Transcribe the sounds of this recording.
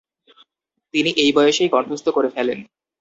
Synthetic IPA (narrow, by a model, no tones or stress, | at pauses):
t̪iniʔejbɔjoʃejkɔnt̪ʰɾost̪okoɾefɛlen